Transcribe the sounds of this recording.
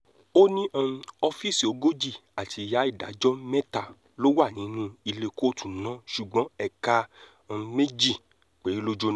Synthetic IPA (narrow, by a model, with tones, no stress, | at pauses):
o˦nĩ˦ʔã˧ɔ˧fi˦si˨o˨˦ɡo˦d͡ʒi˦˨a˨tʰi˧˨ja˨˦i˦˨da̰˨˦d͡ʒɔ˦mɛ˦ta˦˨ | lo˦wa˦˨nĩ˨˦nũ˦i˧le˧ko˦tũ˦˨nã˦ʃu˨ɡ͡bɔ̃˨˦ɛ˧ka˧ | me˦d͡ʒi˦˨ | k͡pe˨˦lo˦d͡ʒo˧n˦